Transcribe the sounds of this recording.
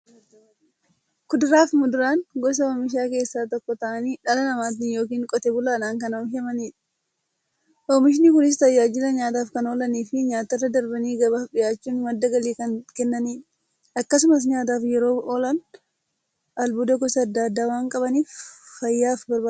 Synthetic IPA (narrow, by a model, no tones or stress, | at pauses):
kʊd̪ɪɾaːfmʊd̪ʊɾaːnɡɔs̬ɐoːmɪʃ̬aːke̞ːsːaːt̪ɔkːɔt̪ɐʔɐniːᶑɐlɐnɐmaːt̪̬ɪnjoːk̬iːŋkʼɔt̪ɛbʊlaːnaːŋkɐnomɪʃɛmɐniːᶑ | ʔoːmɪʃ̬ɪnikʊnɪs̬t̪ɐjːaːd͡ʒɪlɐɲaːt̪aːfkɐnoːlɐniːfɪɲaːt̪ɐrːɐd̪ɐɾbɐniːɡɐβaːfᶑɪjaːt͡ʃːuːnmɐd̪ːɐɡɐliːkɐnkɛnːɐniː | ɐkːɐsʊmɐs̬ɲaːt̪̬aːfjɛɾo̞ːʔoːlɐn | ʔɐlbʊd̪ɐɡɔsɐɐd̪ːaːd̪ːaːwaːŋkʼɐβɐniːfːɐjːaːfbɐɾbaː